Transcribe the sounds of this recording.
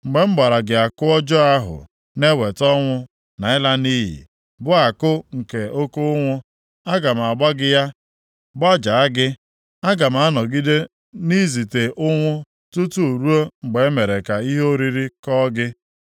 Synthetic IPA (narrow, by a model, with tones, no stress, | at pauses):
ŋ͡m̩˨ɡ͡be˨m̩˦ɡ͡ba˨ɾa˨ɡɪ˨a˨kʊ˦ɔ˦d͡ʒɔ˦a˦ɦʊ̰˨ | ne˦we˨tɔ˦ŋʷʊ˦ | na˨ɪ˦la˦ni˦ɦḭ˨ | bʊ˦a˨kʊ˦ŋ̩˨ke˨o˦ko˦ŋʷʊ˦ | a˦ɡa˨m̩˨a˨ɡ͡ba˦ɡɪ˦ja˦ | ba˦d͡ʒa˨a˦ɡɪ˦ | a˦ɡa˨m̩˨˦a˦nɔ˨ɡi˦de˦ | ni˦zi˨te˨ʔʊ˦ŋʷʊ˦ | tu˦tu˦o˨ɾu˦o˦ŋ͡m̩˨ɡ͡be˨e˦me˨ɾe˨ka˨i˦ɦo˦ɾi˦ɾi˦kɔ˦ɡɪ˦